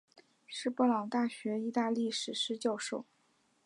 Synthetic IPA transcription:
ʂɻ̩˥˧pɔ˥˩lɑ˨˩ŋt̪a˥˩ɕɥɛ˧˥i˥˧t̪a˥˧li˥˩ʂɻ̩˨˩ʂɻ̩˥˧t͡ɕjɑ˥˧ʊʂo˥˩ʊ

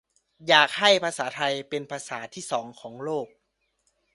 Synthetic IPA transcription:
jaː˨˩k̚ha˥˩jpʰaː˧saː˩˦t̪ʰa˧jpe˧npʰaː˧saː˩˦t̪ʰiː˥˩sɔː˩˦ŋkʰɔː˩˦ŋloː˥˩k̚

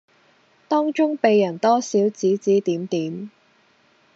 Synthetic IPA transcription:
t̪ɔː˥ŋt͡ʃʊ˥ŋpe˨jːɐ˨˩nt̪ɔː˥siː˨˥wt͡siː˨˥t͡siː˨˥t̪iː˨˥mt̪iː˨˥m

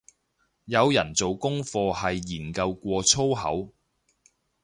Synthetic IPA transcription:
jɐ˨˧wjɐ˨˩nt͡so˨wkʊ˥ŋfɔː˧hɐ˨jːiː˨˩nkɐ˧wkʷɔː˧t͡sʰo˥wɦɐ̰˨˥w

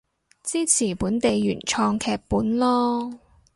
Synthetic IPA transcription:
t͡siː˥t͡sʰiː˨˩puː˨˥nt̪e˨˧jːyː˨˩nt͡ʃʰɔː˧ŋkʰɛː˧k̚puː˨˥nlɔː˥

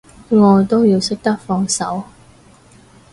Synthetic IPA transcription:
ŋɔː˨˧t̪o˥wjiː˧wsɵ˥k̚t̪ɐ˥k̚fɔː˧ŋsɐ˨˥w

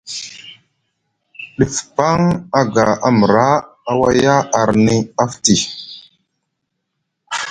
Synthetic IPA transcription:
ɗi˨fpa˦ŋa˦ɡa˨a˦mə˨ɾa˦ | a˦wa˦ja˦a˨ɾni˦a˦fti˨

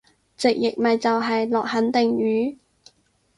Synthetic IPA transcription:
t͡sɪ˨k̚jɪ˨k̚mɐ˨jt͡sɐ˨wɦɐ˨jlɔː˨k̚hɐ˨˥nt̪ɪ˨ŋɥyː˨˥

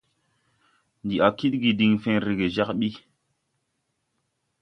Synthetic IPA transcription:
ndi˨a˨ki˦t̚ɡi˨di˨ŋfẽ˦ɾi˨ɡe˨za˦kɓi˦

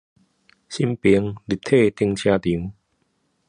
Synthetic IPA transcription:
ɕi˧mpi˨˦ə˦ŋli˨˩p̚t̪ʰe˥˧˨t̪i˧əŋt͡ɕʰjã˧t̪i˨˩˦ŋ

